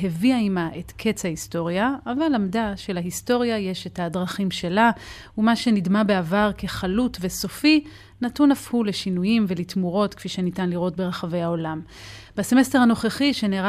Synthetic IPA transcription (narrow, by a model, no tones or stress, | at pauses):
ɦeviaimaʔe̞tkʰe̞t͡shahisto̞ʁjaːvalamdaʃe̞laɦisto̞ʁjaje̞ʃe̞thadʁaχimʃe̞la | umaʃe̞nidmabeavaʁke̞χalutve̞so̞fi | natunafhule̞ʃinujimve̞litmuʁo̞tkfiʃenitanliʁo̞tbe̞ʁaχave̞jhao̞lam | baseme̞stehano̞χeχiʃeneʁ